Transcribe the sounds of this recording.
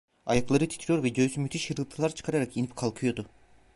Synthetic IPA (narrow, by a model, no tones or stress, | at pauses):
ajaklˠaɾɯt̪ʰi̥t̪ʰɾijo̞ɾvɛɟøzymyt̪ʰiʃjɯɾɡɯlˠt̪ʰɯlˠaɾt͡ʃʰɯ̥kʰaɾaɾakinipkʰalˠkʰɯjo̞d̪ʊ